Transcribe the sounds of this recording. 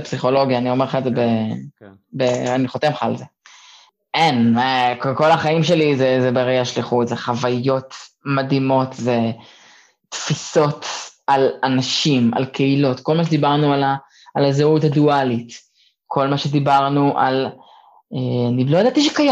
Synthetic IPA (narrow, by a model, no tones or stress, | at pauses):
psiχo̞lo̞ɡjaːnio̞meχaetzebe | beaniχot̪emχa̰ːlze | enkko̞laχaimʃe̞lizezebeʁeaʃliχutzeχavajo̞t̪ | mad̪imo̞t̪ze | t̪fiso̞talanaʃima̰lkʰeilo̞tko̞lmaʃ̬ed̪ibaʁnualaː | lazeutadualit | kʰo̞lmaʃed̪ibaʁnuʔa̰l | eanilojad̪aːt̪iʃekaja